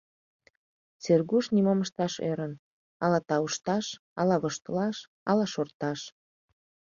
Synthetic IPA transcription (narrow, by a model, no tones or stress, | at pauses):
t͡serɣuʃnimoməʃt̪ɑʃḛɾən | ɑlɑt̪ɑuʃt̪ɑʃ | ɑlɑβəʃt̪ə̆lɑʃ | ɑlɑʃort̪ɑʃ